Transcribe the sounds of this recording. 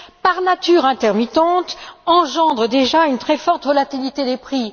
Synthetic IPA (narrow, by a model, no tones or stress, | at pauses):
paʁnat̪yːʁɛ̃t̪ɛʁmit̪ɑ̃t̪ɑ̃ʒɑ̃d̪ʁəd̪eʒaynt̪χɛfɔʁt̪vɔlat̪ilit̪ed̪epχi